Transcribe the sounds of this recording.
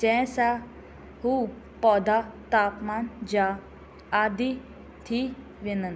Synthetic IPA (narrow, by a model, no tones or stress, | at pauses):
d͡ʑɛ̃sa | hu | pɔd̪at̪apmand͡ʑaː | d̪i | t̪ʰi | ʋinən